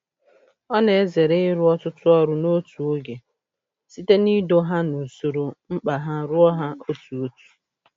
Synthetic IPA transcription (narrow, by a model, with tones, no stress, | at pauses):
ɔ˦ne˨e˦ze˨ɾe˦ɪ˦ɾʊ˦ɔ˦tʊ˦tʊ˦ɔ˦ɾʊ˦no˦tu˨o˦ɡe˨ | si˦te˦ni˦do˦ɦa˦no˨so˨ɾo˨ŋ͡m̩˦k͡pa˨ɦa˦ɾʊ˦ɔ˦ɦa˦o˦tu˨o˦tu̥˨